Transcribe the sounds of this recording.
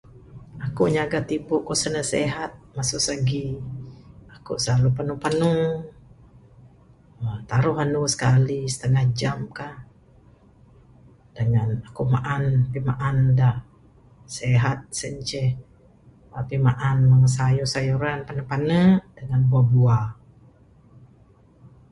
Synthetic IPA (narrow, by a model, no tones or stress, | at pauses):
akuɲaɡat̪ibʊʔkosənəhsḛɦat̪̚masuʔsaɡi | akṵʔsalupanupanu | ət̪aɾuhɦanusə̥kalisə̥t̪əŋahd͡ʒamkah | d̥əŋanakuʔmaʔanpimaʔandaʔ | seɦat̪̚səɲt͡ʃɛ | apimaʔanmaŋəs̬ajusajuɾanpanəpanəd̥əŋanbuabua